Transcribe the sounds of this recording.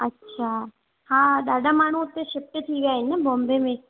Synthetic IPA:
ɐtːʃʰaː | haːɗaːɖʱamaːɳ̤uʊt̪ːeʃɪpʈt̪ʰiʋijaːɦɪnəbõːmbemẽ

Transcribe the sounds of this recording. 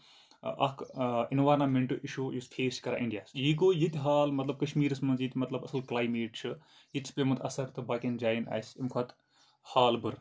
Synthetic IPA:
ʔɐ̰kʰinʋaːɾnaːmeɳʈɨʔiʃuːjusfʰeːskɐɾa̰ʔiɳɖijaːsjik̬oːjit̪ʲɦaːlmɐt̪lɐb̚kɐʃmiːɾɨsmɐnzjit̪ʲmɐt̪lɐbɐsɨlklaːjmeːʈt͡ʃʰɨ | jit̪ʲsʰpʲemɨt̪ɐ̰sɐɾt̪ɨbaːkʲind͡ʒaːjna̰ːsimkʰɐt̪ | haːlbɨɾ

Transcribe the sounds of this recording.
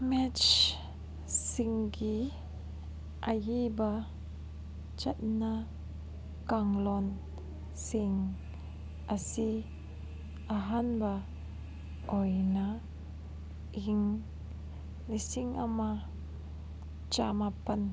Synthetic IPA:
mɛt͡ʃ | siŋɡi | ʔajiba | t͡ʃat̚na | kaŋlɔn | siŋ | ʔasi | aɦanba | ʔɔjna | ʔiŋ | nisiŋa̰ma | t͡ʃamapan

